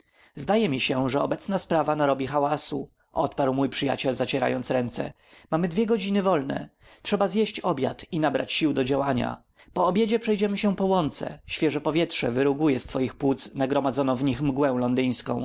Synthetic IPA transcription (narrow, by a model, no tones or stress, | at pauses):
zd̪ajɛmʲiɕɛʐɛɔbɛt̪snaspɾavanaɾɔbʲixawasu | ʔɔt̪paɾwmujpʂɘja̰t͡ɕɛlzat͡ɕɛɾa̰jɔntsɾɛnt̪sɛ̰ | mamɘd̪vʲjɛɡɔd͡ʑinɘvɔlnɛ̰ | tʂɛbazjeɕt͡ɕɔbʲja̰t̪inabɾa̰t͡ɕɕiwd̪ɔd͡ʑawaɲa̰ | pɔːbʲjed͡ʑɛpʂɛjd͡ʑɛmɘɕɛpɔwɔnt̪sɛ̰ɕfʲjɛʐɛpɔvʲjɛtʂɛ̰vɘɾuɡujɛst̪fɔjixpwut̪snaɡɾɔmad̪zɔnɔ̃w̃vɲixmɡwɛw̃lɔnd̪ɘj̃skɔ̃w̃